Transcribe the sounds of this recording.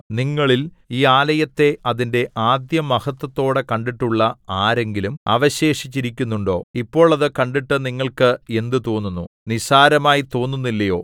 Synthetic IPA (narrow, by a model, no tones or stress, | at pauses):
niŋːɐɭil | iːaːlɐjɐt̪ːe̞ɐðinde̞ʔaːd̪jɐmɐhɐt̪ːɐt̪ːo̞ːɽekɐɳɖiʈːuɭːɐaːɾe̞ŋɡilumɐ̰ʋɐɕe̞ːʂit͡ɕːiɾikʲːunːuɳɖo̞̰ːipːo̞ːɭɐðɨkɐɳɖiʈːɨniŋːɐɭkɨe̞nd̪ɨt̪oːnːunːunisaːɾɐmaːjit̪oːnːunːilːɐjo̞̰ː